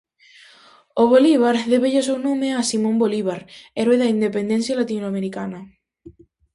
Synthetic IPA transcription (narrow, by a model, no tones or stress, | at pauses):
oβoliβ̞aɾðeβeʝos̬ewnõmeasimõmboliβ̞aɾeɾweðaind̪epend̪e̞nsjalat̪inoameɾikana